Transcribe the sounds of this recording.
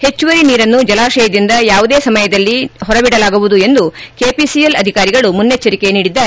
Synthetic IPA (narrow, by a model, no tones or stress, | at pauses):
het͡ʃːuʋɐɾiniːɾɐnːud͡ʒɐlaːʃɐjɐd̪ind̪ɐjaːʋud̪eːsɐmɐjɐd̪ɐlːiɦɔɾɐbiɽɐlaːɡuʋud̪ue̞nd̪ukeːpisijelɐd̪ʱikaːɾiɡɐɭumunːet͡ʃːɐɾikeniːɽid̪ːaːɾe